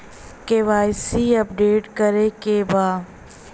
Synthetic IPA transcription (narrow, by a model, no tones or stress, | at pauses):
keːʋaːɪsiɐp̚ɖeːʈkəɾekebaː